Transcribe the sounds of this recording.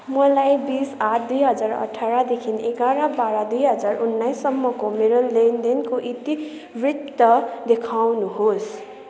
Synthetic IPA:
mʌlajbisaʈʰd̪ujɦʌd͡zarʌ̰ʈʰaɾad̪ekʰinekaɾabaɾad̪ujɦʌd͡zarunːajsːʌmːʌkomeɾolːend̪enkoʔit̪i | brit̪ːʌd̪ekʰawnuɦos

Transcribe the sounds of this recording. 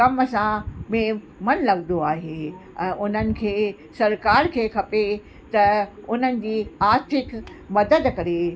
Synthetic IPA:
kɐmsãmẽ | mɐnlɐɡnd̪oaːɦeːɛ̃ːʔʊn̤ənɪ̆kʰeː | sɐɾkaːɾkʰeːkʰɐpe | t̪ɐʊn̤ənɪ̆d͡ʑiːaːɾt̪ʰɪk | mɐd̪əd̪kɐɾe

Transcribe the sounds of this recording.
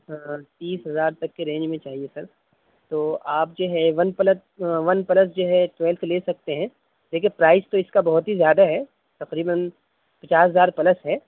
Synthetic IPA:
t̪iːsɦɐzaːɾt̪ɐkːeɾẽːɲd͡ʒmẽt͡ʃaːɦiesɐɾ | t̪oːaːp̚d͡ʒoːɦɛʋɐnpɐlət̪ | ʋɐnpɐləs̬d͡ʒoːɦɛʈʋɛːlt̪ʰleːsɐk̚t̪eɦɛ̃ | leːk̬ẽpɾaːɪst̪oɪskabɐɦɔt̪ɦizjaːd̪aɦɛ | t̪ɐqɾiːbən | pɐt͡ʃaːsɦɐzaːɾpɐləsɦɛː

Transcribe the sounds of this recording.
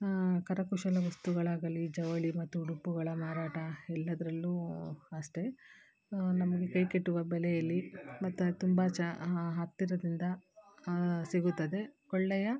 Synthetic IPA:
kɐɾɐkuʃɐlɐʋɐst̪uɡɐɭaːɡɐlid͡ʒɐʋɐɭimɐt̪ːuɖupːuɡɐɭɐmaːɾaːʈɐɛlːɐd̪ɐɾɐlːuɐʂʈe̞ | nɐmɐɡe̞kɐjkeʈːuʋɐbɛlɛjɐlːimɐt̪ːut̪umbɐt͡ʃɦat̪ːiɾɐd̪ind̪ɐ | siɡut̪ːɐd̪e̞kɔɭːɛjɐ

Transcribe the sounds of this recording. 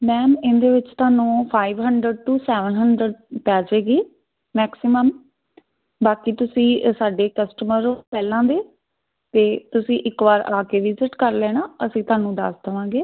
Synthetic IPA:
mɛːmɪnd̪eːʋɪt͡ʃt̪aːnũːpʰaːiʋɦəɳɖɾəɖ̚ʈuːsɛːʋənɦəɳɖɾəɖpɛːd͡ʒeːɡiː | mɛːksɪməm | baːkiːt̪ʊsĩːsaːɖeːkəsʈəməɾpɛːlãːd̪eː | t̪eːt̪ʊsĩːʔɪkʋaːɾaːkeːʋɪzɪʈkəɾlɛːñãːəsĩːt̪ʊaːnũːd̪ə̰st̪ʰəʋãːɡeː

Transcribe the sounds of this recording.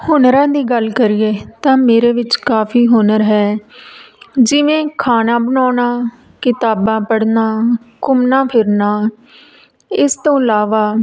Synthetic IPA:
hʊnɾãːd̪iːɡəlkəɾiːeːt̪ãːmeːɾeːʋɪt͡ʃkaːpʰiːɦʊnəɾɦɛː | d͡ʒɪʋẽːkʰaːnãːbənɔːnaː | kɪt̪aːbãːpəɽnaːkʊmnãːpʰɪɾnaː | ɪst̪õːəlaːʋaː

